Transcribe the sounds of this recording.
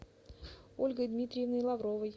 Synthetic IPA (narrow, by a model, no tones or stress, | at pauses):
olʲɡəjd̪mʲit̪ɾʲɪjəvnəjlˠavɾovəj